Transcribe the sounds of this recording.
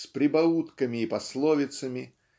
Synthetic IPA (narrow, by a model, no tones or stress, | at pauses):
sʲpɾʲɪbɐut̪kəmʲɪːpɐslˠovʲɪt̪səmʲɪ